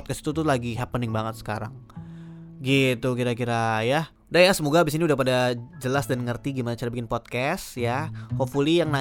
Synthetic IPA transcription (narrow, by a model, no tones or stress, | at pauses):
t̪̚kast̪i̥t̪ut̪ulaɡiɦapənɪŋbaŋət̪sə̥kaɾa̰ŋ | ɡit̪ukiɾakiɾaja | dajasəmoɡabis̬iniudahpadad͡ʒəlasdanŋərt̪iɡimanat͡ʃaɾabikɪnpɔt̪̚kɛsjahofulijaŋna